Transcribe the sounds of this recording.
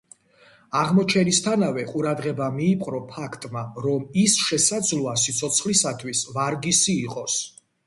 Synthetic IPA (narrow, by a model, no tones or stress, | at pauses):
aʁmɔt͡ʃʰɛnist̪ʰanavɛqʼuɾad̪ʁɛbamiːpʼɾɔpʰakʰt̪ʼmaɾɔmisʃɛsad̪zlˠɔasit̪sʰɔt̪sʰχlisat̪ʰwisvaɾɡisiːqʼɔs